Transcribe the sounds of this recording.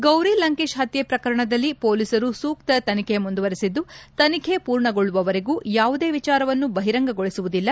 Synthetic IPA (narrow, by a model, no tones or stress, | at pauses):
ɡɐwɾilɐŋkiʃɦɐt̪jepɾɐkɐɾɐɳɐd̪ɐlːipoːlisɐɾusuːkt̪ɐt̪ɐnikʰe̞mund̪uʋɐɾisid̪ːut̪ɐnikʰe̞puːɾɳɐɡoɭːuʋɐʋɐɾeɡuːjaːʋud̪e̞ːʋit͡ʃaːɾɐʋɐnːubɐɦiɾɐŋɡɐɡoɭisuʋud̪ilːɐ